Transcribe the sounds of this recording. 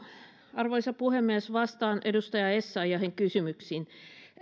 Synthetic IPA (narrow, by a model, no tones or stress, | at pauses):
ɑrʋoisɑpuhemːiesʋɑst̪ɑːnʔedust̪ɑjɑesːɑijɑheŋkysymyksiːn